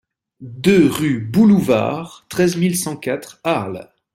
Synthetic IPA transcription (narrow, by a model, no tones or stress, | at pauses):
d̪øʁybuluva̰ʁt̪χɛzmilsɑ̃kat̪χaʁl